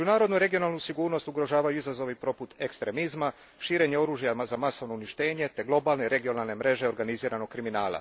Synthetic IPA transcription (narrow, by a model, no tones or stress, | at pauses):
ed͡ʒunaːɾo̞d̪nuiɾe̞ɡio̞naːlˠnusiɡuːɾno̞st̪uɡɾo̞ʒaːʋajuizazo̞ʋipɾo̞put̪e̞kst̪ɾe̞mizma | ʃiːɾe̞ɲeo̞ɾuːʒjazamaso̞ʋno̞uniʃt̪e̞ːɲe̞t̪e̞ɡlˠo̞baːlne̞ɾe̞ɡio̞naːlne̞mɾe̞ʒe̞o̞ɾɡaniziːɾano̞ɡ̚kɾiminaːlˠa̰